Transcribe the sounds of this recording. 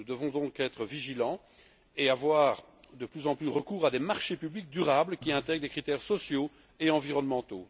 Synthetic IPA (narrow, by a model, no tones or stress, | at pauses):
nud̪əvɔ̃d̪ɔ̃kɛt̪χəviʒilɑ̃ | eavwaːʁ | d̪əplyzɑ̃plyʁəkuːʁad̪emaʁʃepyblik̚d̪yʁabləkʲiɛ̃t̪ɛɡd̪ekχit̪ɛʁsɔsjo | eɑ̃viʁɔnmɑ̃t̪o̰